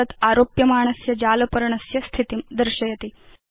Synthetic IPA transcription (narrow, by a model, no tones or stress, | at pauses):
ət̪aɾopjɐmaːɳ̃əsjɐd͡ʑalɐpəɾɳɐsjɐst̪ʰit̪imd̪əɾɕɐjɐt̪iː